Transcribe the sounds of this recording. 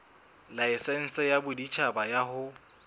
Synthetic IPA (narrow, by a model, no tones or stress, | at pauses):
laɪsɛn̩sajabʊdit͡ʃʰabajaɦʊ